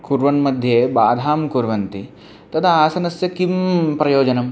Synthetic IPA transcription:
kuɾʋɐnmɐd̪ʱjeːbaːd̪ʱaːmkuɾʋɐnt̪i | t̪ɐt̪ʰɐaːsɐnɐsjɐkimpɾɐjoːd͡ʒɐnɐm

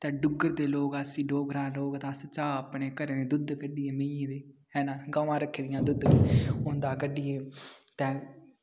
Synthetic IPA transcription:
t̪ɛ̃ːɖʊɡəɾd̪eːloːɡəsĩːɖoːɡɾãːloːɡt̪ãːst͡ʃaːəpɳeːkəɾeːneːd̪ʊd̪kəɖɪeːmeẽːd̪eːɦɛːnãːɡaːʋãːɾəkʰːeːd̪ɪjãːd̪ʊd̪ʊnd̪aːkəɖɪːeːt̪ɛ̃ː

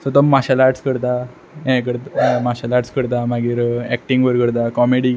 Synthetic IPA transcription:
sət̪̬əmːaɕalaʈskəɾt̪a | ɦɛ̃k̬əɾt̪maɕalaʈskəɽt̪̬amaɡiːɾɛk̚ʈiŋɡʋəɾkəɽt̪̬akɔmeɽi

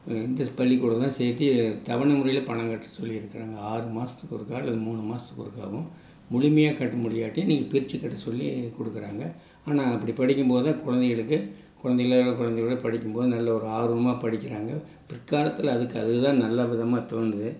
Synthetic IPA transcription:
ɪnd̪ɐpɐlːikuɽɐt̪ãːseːt̪ːit̪ɐʋɐɳɐmʊɾɐjɪlɐpɐɳɐ̃ŋkɐʈːɯ̥sɔlːiɪɾɯkːɪɾaːŋɡɐaːɾɯmaːsɐ̥t̪ːɯkːɔɾɯkːaːɐlːɐðɯmuːɳɯmaːst̪ɯ̥kːɔɽɯkːa̰ːʋɯ̃ | mʊɻɪmɐjaːkɐʈːɯmʊɽɪjaːʈːiniːŋɡɐpɪɾɪt͡ʃːɯkːɐʈːɯsɔlːikɔɽɯkːɪɾaːŋɡɐ | aːnaːɐpːɐɽipɐɽɪkʲːɯmpoːðɯt̪ãːkʊɻɐnd̪ɛɣɐɭɯkːɯ | kʊɻɐnd̪ɛɣɐɭaɐɭɐkʊɻɐnd̪ɛɣɐɭɐpɐɽɪkʲːɯmpoːðɯnɐlːɐɔɾɯaːɾɯmaːpɐɽɪkʲːɪɾaːŋɡɐ | pɪrkːaːlɐt̪ːɯlɐðɯkːɯɐðɯɣɯt̪ãːnɐlːaʋɪðɐmaːt̪oːnɯðɯ

